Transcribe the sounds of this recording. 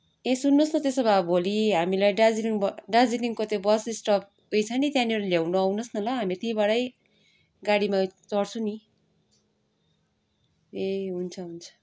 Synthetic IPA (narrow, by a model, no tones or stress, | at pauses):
esunːosnʌt̪esʌbabʱoliɦamilajɖad͡ziliŋbɖad͡ziliŋkot̪jõbʌsisʈʌp̚ʰ | ujt͡sʰʌnit̪jãnioɾaljawnoawnʌsnʌlʌɦamit̪iĩbaɽʌj | ɡaɽimat͡sʌɽt͡sʰũni | eɦunt͡sʰʌɦunt͡sʰʌ̥